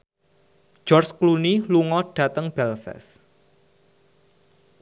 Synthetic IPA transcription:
d͡ʒ̥ɔrskluniluŋɔɖ̥ä̤t̪əŋb̥ɛlfɛ̰s

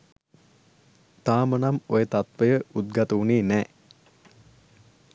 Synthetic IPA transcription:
t̪aːmənamojət̪at̪ʋəjəud̪̚ɡat̪əuniːnɛː

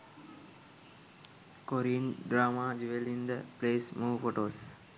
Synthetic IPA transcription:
koɾinɖɾaːmad͡ʒuʋelind̪əpleːsmuːfoʈoːs

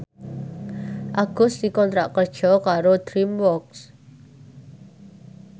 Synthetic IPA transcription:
ʔaɡ̥ʊsd̪̥i̤kɔnt̪ɾaʔkərd̥ʒ̥ɔ̤kaɾod̪̥ɾimwɔks

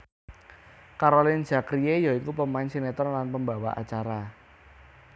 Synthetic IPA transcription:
kaɾolɪn̥ʒ̥a̤kɾiejait̪upəmaɪnsinet̪ɔrlanpəmbawa̰ʔa̰t͡ʃaɾa

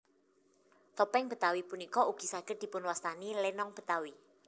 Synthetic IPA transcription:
t̪ɔpɛŋb̥ə̤t̪awipunikɔuɡ̥i̤saɡ̥ər̚d̪̥i̤pʊnwast̪anilɛnɔŋb̥ə̤t̪awi

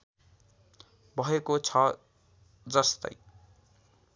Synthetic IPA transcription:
bʱʌɦekot͡sʰʌ | d͡zʌst̪ʌ̰j

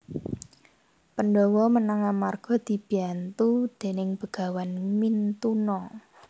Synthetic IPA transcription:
pənɖɔwɔmənaŋamarɡ̥ɔ̤d̪̥i̤b̥iant̪ud̪̥e̤nɪŋb̥əɡ̥ä̤wanmint̪unɔ

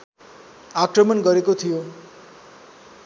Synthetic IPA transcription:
akrʌmʌnɡʌɾekot̪ʰijo

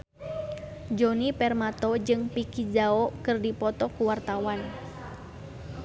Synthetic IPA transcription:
d͡ʒonipɛrmat̪ɔd͡ʒɨŋpikid͡ʒaɔkɨrdipɔt̪ɔkuwart̪awan

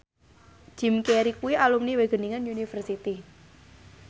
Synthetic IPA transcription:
d͡ʒ̥i̤mkeɾikuwialumniweɡ̥ə̤niŋənunifərsit̪i

